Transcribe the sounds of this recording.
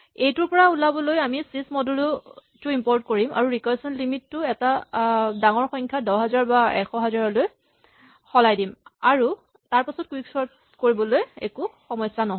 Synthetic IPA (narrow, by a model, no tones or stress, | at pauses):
ejtʊɹpɔɹaulabɔlojamisismɔdulutʊimpɔɹtkoɹimʔa̰ɹuɹikɔsɔnlimitːʊɛtadaŋɔɹxɔjŋkʰadɔɦɛzaɹbaɛ̰kʰɔɦɛzaɹɔloj | xɔlajdimaɹu | taɹpasɔt̚kuiksɔɹt | koɹibɔlojḛkuxɔmɔjsanɔɦ